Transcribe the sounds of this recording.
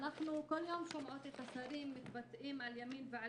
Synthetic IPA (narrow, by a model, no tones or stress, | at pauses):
naħnukʊlːjoːmʃʊmʕoːt̪ɪt̪asaɾiːmːɪt̪bat̪ːʔiːmʕaljamiːnvɪʕa